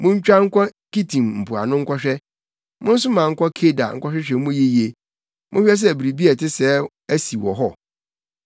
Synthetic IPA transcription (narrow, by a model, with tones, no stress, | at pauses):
mʊ̃˦ɲ̩˦t͡ɕᶣa˦ŋ̩˦kʷʰɔ˦ki˦tʰĩ˨mm̩˨pʊ˨a̰˨nʊ̃˦ŋ̩˦kʰʷɔ˦ɕᶣɛ˦ | mʊ̃˦n̩˦s̬ʊ˦mã˨ŋ̩˦kʷɔ˦kʰe˦da̰˨ŋ̩˦kʷɔ˦ɕᶣɛ˦ɕᶣɛ˦mʊ̃˦je˦ji˦e˨ | mʔʊ̃˦ɕᶣɛ˦s̬ɛ˦˨bi˨ɾi˨bi˦ɛ˨tɪ˦sɛː˦ | æ˦si˨wɔ˨ɦɔ˦